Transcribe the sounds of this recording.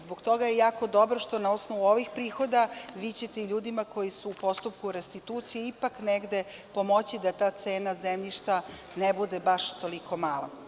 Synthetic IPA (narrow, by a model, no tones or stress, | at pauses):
zboɡt̪o̞ɡajejaːko̞d̪o̞bɾoʃt̪o̞naosnoʋuoʋixpɾiːxo̞d̪aʋiːt͡ɕet̪eiʎuːd̪imako̞jisuːpo̞st̪upkuɾest̪it̪uːt̪sijeipakneɡd̪e̞po̞mo̞t͡ɕid̪at̪aːt̪seːnazemʎiʃt̪a | nebud̪ebaʃt̪o̞liko̞maːlˠa̰